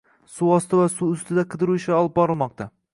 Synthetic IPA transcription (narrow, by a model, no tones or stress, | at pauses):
suɒst̪ɪvasuʊst̪ɪd̪aqʰɨd̪ɪɾuɪt͡ʃɪɒlˠɪp̚bɒɾɨlˠmɒq̚t̪ʰa